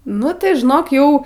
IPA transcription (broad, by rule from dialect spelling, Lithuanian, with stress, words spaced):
ˈnʊ tɐɪ ʒʲɪˈnoːk ˈjɛʊ